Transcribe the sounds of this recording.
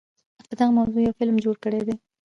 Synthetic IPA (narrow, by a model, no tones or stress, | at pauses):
ap̪əd̪aɣamawzojawfɪlmd͡ʒoɽkəɽed̪e